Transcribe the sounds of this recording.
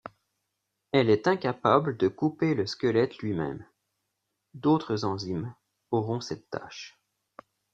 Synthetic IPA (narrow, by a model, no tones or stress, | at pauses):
ɛlɛt̪ɛ̃kapabləd̪əkupeləskʲəlɛt̪lɥimɛ̰m | d̪ot̪χəzɑ̃zim | ɔʁɔ̃sɛt̪ːa̰ʃ